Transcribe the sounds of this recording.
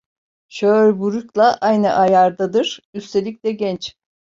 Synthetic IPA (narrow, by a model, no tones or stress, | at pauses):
ʃøɾbuɾuklˠaʔajnɯʔajaɾd̪ad̪ɯɾ̥yst̪ʰe̞lʲic̚ʲlʲɛɟɛnt͡ʃ